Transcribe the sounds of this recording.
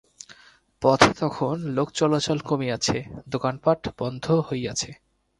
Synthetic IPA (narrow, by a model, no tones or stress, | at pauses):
pɔt̪ʰet̪ɔkʰonlokt͡ɕɔlat͡ɕɔlkomiat͡ɕʰed̪okanpaʈb̥ɔnd̪ʱohojat͡ɕʰe